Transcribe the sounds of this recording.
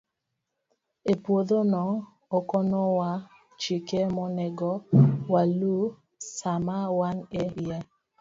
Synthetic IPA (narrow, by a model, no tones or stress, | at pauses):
epwoðonɔː | kɔnɔwa | t͡ʃikemɔnɛɡɔwalu | samawanɛja